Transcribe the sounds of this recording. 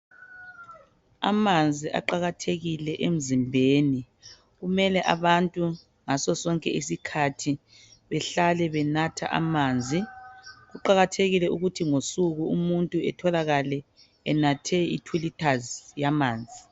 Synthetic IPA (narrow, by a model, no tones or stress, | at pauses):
a̰mand͡zʱiʔa̰ǃaɣatʰeɣilɛʔem̩zimbʱeːni | ɣumɛlɛʔaβantʼu | ŋasɔsɔŋkʼɛ̰isikʰatʰi | βɛɬalɛβɛnatʰa̰ʔa̰maːnd͡zʱiɣuǃaɣatʰeɣilɛʔuɣutʰiŋosuɣuumuntʼuɛtʰɔlaɣalɛ | ɛnatʰɛḭtʰwilitʰazjamaːnd͡zʱi